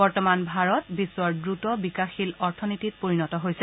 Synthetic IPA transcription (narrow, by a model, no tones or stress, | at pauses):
bɔɹtɔmanbʱaɹɔtbisːwɔɹdɹutɔbikaxilɔɹtʰɔnitit̚poɹinɔtɔɦojsɛ